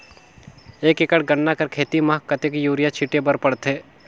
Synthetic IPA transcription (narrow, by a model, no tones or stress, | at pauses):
eːkɪkəɽɡəɳːakɐɾkʰeːt̪imaɦkɐt̪ekjuːɾijat͡ʃʰiʈebɐɾpɐɽt̪ɦeː